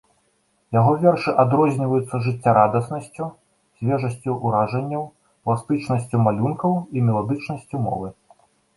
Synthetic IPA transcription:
jaɣɔvʲɛrʂɨʔad̪ɾɔzʲnʲivɐjut̪sːɐʐɨt͡sʲːaɾad̪ɐsnɐsʲt͡sʲu | sʲvʲɛʐɐsʲt͡sʲuʔːɾaʐɐnʲːɐw | plˠast̪ɨt͡ʂnɐsʲt͡sʲumalʲunkɐwimʲɛlˠad̪ɨt͡ʂnɐsʲt͡sʲumɔ̰vɨ

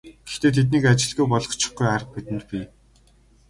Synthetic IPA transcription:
ɡ̥e̥xt̪eːt̪ʰet̪̬niːkat͡ɕɪ̆ɮɣujpɔɮɞ̆χt͡ɕɪ̥̆χɡujarə̆χ̚mit̪ɘ̆nt̪̚pʲi

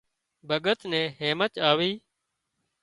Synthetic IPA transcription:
bʱəɠət̪nɛ̃ːɦeːmət͡ʃ̪aːʋiː

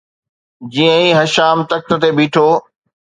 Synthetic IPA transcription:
d͡ʑiːə̃ĩːɦɐʃaːmt̪ɐk̚t̪ə̆t̪ebiːʈʰoː

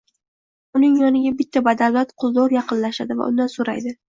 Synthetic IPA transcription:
ʊnɪŋjɒnɪɡʲabɪt̪ʰːabad̪alvat̪qʰʊzˠd̪ɒɾjɑqɨnlaʃad̪ɪva̰ʔʊ̰nd̪ansoɾa̰jd̪ɪ

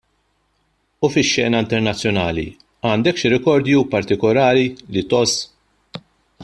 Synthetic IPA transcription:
ufɪʃːɛːnɐɪnt̪ɛɾnɐt͡sːjɔnɐːlḭ | ɐːnd̪ɛkʃiɾɛkɔɾd̪jupɐɾt̪ɪkɔlɐːɾilit̪ɔs

